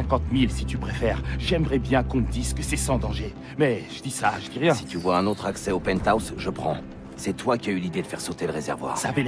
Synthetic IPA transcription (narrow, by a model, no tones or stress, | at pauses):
ɛ̃kɑ̃t̪milsit̪ypχefɛʁʒɛmʁɛbjɛ̃kɔ̃məd̪izkəsɛsɑ̃d̪ɑ̃ʒe | mɛʒəd̪isaʒəd̪iʁjɛ̃si̥t̪yvwaɛ̃not̪χaksɛopɛnt̪awsʒəpχɑ̰̃ | sɛt̪wakʲiaylid̪ed̪əfɛʁsot̪eləʁezɛ̰ʁvwa̰ːʁsave